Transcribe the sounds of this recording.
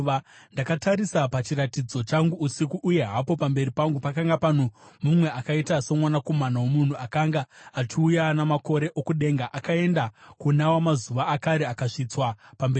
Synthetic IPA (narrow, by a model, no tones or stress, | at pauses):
ndakataɾisapat͡ʃiɾatid͡zo̞t͡ʃaŋɡuːsikuʔːje̞ɦapo̞pambe̞ɾipaŋɡupakaŋɡapan̤omumwe̞ʔakaitaso̞mwanako̞manawomun̤uakaŋɡaat͡ʃiujanamako̞ɾe̞ʔokuɗe̞ŋɡaʔakae̞ndakunawamazuʋaːkaɾeakaʂit͡swapamberi